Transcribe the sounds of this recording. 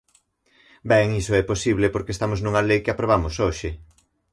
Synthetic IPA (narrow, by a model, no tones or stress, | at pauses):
bɛŋisoɛposiβlepoɾkest̪amoznuŋɐlejkeapɾoβ̞amosoʃɪ